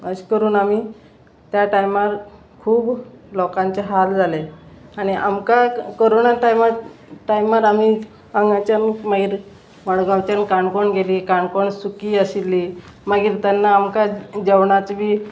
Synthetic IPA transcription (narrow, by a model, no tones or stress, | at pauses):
əɕkəɾuːnami | t̪jaʈajmaɾ | kʰuːblɔkãɲt͡ɕeɦald͡zʱaleaɽ̃iʔamkakoɾoɳaʈajmaʈajmaɾami | aŋɡat͡ɕanmaɡiːɾ | ʋəɽɡaʋt͡ɕjankaɳkoɳɡʱeliːkaɳkoɳsukiːəɕilːiː | maɡiːɾt̪anːaːmkad͡ʑeʋɳ̃at͡sbiː